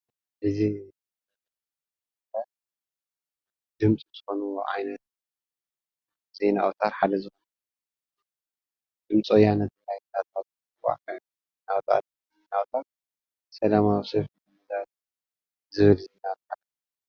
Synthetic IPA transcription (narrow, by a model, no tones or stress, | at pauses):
ʔɨzi | t̪ʰa | d̪ɨmt͡sʼizzɨxo̞nuwo̰ʔa̰jnɐt̪̚ | ze̞nawt̪ʰat̪ħad̪ɐzɨxonnu | d̪̥ɨmt͡sʼojanɐt̪̚lajnat̪at̪̚ | wa̰ʕkɐ | nawt̪ʰa̰t̪ | zenawt̪ʰat̪̚ | sɐlamawisef | d̪at̪̚ | zɨβɨlzenalkʰa